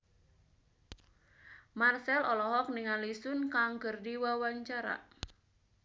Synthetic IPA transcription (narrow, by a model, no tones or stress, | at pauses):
marsɛlɔlɔɦɔk̚niŋalisʊnkaŋɡərdiwawaɲt͡ʃaɾa̰